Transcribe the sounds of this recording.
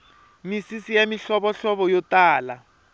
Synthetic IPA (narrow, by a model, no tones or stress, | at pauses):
misisijamiɬɔβɔɬɔβɔjɔtaːla